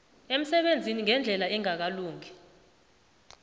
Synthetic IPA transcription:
em̩sɛɓend͡zʱiniŋɛnd͡ɮʱɛlaɛŋak̬aluːŋʱɛ

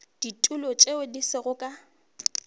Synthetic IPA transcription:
d̥itʼulɔt͡ʃʼeʊdisɪɣʊkʼa

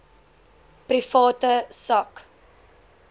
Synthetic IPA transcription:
prifɑːtəsɐk

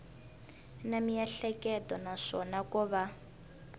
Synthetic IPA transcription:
namijɛɬɛkɛtɔnaʂɔnakuβa

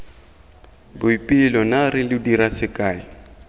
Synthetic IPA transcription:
bʊipʼɪlɔnaɾɪlɪdiɾasɪkʼaːɪ

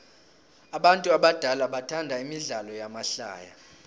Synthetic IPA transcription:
aɓantʼuaɓad̥ʱalaɓatʰandʱaimiɮalɔjamaɬa̰ːja̰

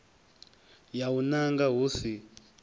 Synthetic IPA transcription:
jaunaŋɡaɦuːsi

